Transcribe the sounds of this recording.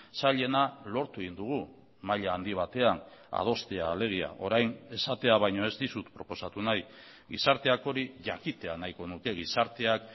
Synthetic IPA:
saʎe̞nalo̞ɾt̪ueɣind̪uɣ̞u | maʎaːnd̪iβ̞at̪e̞ana̰ð̞o̞st̪eaːle̞ɣ̞ia̰ʔo̞ɾajne̞sat̪e̞aβajɲoe̞zd̪isut̪pɾo̞po̞sat̪unaj | ɣisaɾt̪e̞ako̞ɾiʝakit̪e̞anajko̞nuke̞ɣ̞isaɾt̪e̞ak

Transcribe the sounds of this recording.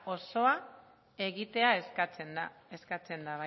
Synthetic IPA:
o̞so̞a | e̞ɣit̪e̞aeskat͡send̪ae̞skat͡se̞nd̪aβa

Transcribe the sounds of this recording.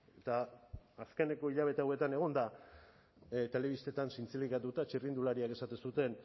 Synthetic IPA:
et̪aːske̞ne̞ko̞iʎaβ̞e̞t̪eawe̞t̪ane̞ɣ̞o̞nd̪a | t̪e̞le̞βist̪e̞t̪ansint͡silikat̪ut̪at͡ʃirind̪ulaɾiake̞sat̪esut̪e̞n

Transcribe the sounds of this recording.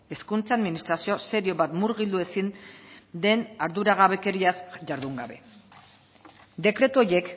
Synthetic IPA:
e̞skunt͡saaðminist̪ɾasiose̞ɾio̞βat̪muɾɣild̪ue̞sind̪e̞naɾðuɾaɣ̞aβe̞ke̞ɾiazʝaɾðuŋɡaβe̞ | d̪e̞kɾe̞t̪uo̞je̞k

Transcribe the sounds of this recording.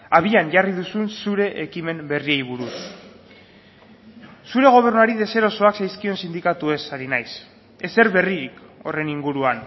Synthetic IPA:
aβ̞iaɲʝarið̞usunsuɾe̞ʔekime̞mbe̞riejβ̞uɾus | suɾe̞ɣ̞o̞β̞e̞rnuaɾið̞e̞se̞ɾo̞so̞aksajskio̞nsind̪ikat̪ue̞saɾinajs | e̞se̞ɾβe̞riɾiko̞̰re̞niŋɡuɾuan

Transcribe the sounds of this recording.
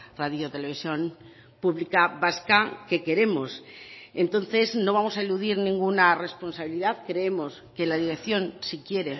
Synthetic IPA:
raðjot̪e̞le̞β̞isjo̞n | puβlikaβaskake̞ke̞ɾe̞mo̞se̞nt̪o̞nθe̞zno̞βamo̞saeluðiɾnĩŋɡunare̞spo̞nsaβiliðaðkɾeemo̞ske̞laðiɾe̞kθjo̞nsikje̞ɾe

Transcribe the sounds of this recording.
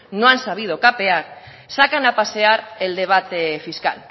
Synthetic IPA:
noansaβ̞ið̞o̞kape̞aɾ | sakanapase̞aɾeld̪e̞β̞at̪efiska̰l

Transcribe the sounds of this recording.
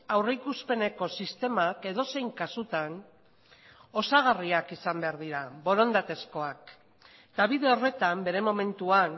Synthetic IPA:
awreikuspe̞ne̞ko̞sist̪e̞make̞ð̞o̞se̞jŋkasut̪an | o̞saɣ̞ariakisambe̞aɾð̞iɾaβo̞ɾo̞nd̪at̪e̞sko̞ak | t̪aβiðe̞o̞re̞t̪ambe̞ɾe̞mo̞me̞nt̪uan

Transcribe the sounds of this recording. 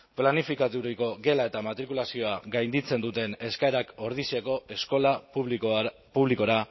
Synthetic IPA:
planifikat̪uɾiko̞ɡe̞lae̞t̪amat̪ɾikulasio̞aɡajnd̪it͡se̞nd̪ut̪e̞ne̞skaeɾakoɾðiseko̞e̞sko̞la | puβliko̞ɾa

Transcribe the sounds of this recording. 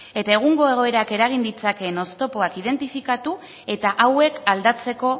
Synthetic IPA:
e̞t̪ae̞ɣ̞uŋɡo̞e̞ɣ̞o̞e̞ɾake̞ɾaɣ̞ind̪it͡sake̞no̞st̪o̞po̞akið̞e̞nt̪ifikat̪u | e̞t̪aʔawe̞kald̪at͡se̞ko̞

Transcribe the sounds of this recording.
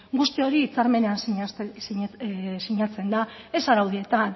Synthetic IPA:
ɡust̪io̞ɾiːt͡saɾme̞ne̞an | siɲat͡se̞nd̪ae̞saɾawðie̞t̪an

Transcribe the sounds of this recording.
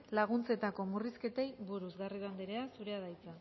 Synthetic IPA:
laɣ̞unt͡se̞t̪ako̞muriske̞t̪e̞jβuɾuzɣariðand̪eɾe̞asuɾe̞að̞ajt͡sa

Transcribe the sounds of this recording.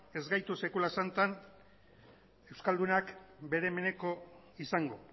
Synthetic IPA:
e̞zɡajt̪use̞kulasant̪an | e̞wskald̪unakbe̞ɾe̞me̞ne̞ko̞ | isaŋɡo̞

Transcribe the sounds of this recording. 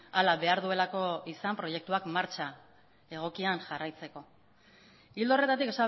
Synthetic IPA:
alaβe̞aɾðue̞lako̞isampɾo̞je̞k̚t̪uakmaɾt͡ʃa | e̞ɣ̞o̞kianʝarajt͡se̞ko̞ | ild̪o̞re̞t̪at̪ikesa

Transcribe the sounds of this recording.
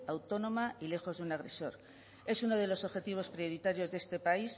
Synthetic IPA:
awt̪o̞nõ̞maile̞xo̞zðunaɣɾe̞̰so̞ɾ | e̞suno̞ð̞e̞lo̞so̞βxe̞t̪iβ̞o̞spɾio̞ɾit̪aɾjo̞zðe̞st̪e̞pais

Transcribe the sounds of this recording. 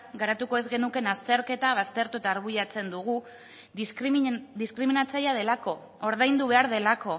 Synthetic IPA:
ɡaɾat̪uko̞e̞zɣe̞nuke̞nast̪e̞ɾke̞t̪aβ̞ast̪e̞ɾt̪uet̪aːɾβuʎat͡se̞nd̪uɣ̞u | d̪iskɾiminat͡sajað̞e̞lako̞ | oɾð̞ajnd̪uβe̞aɾð̞e̞lako̞

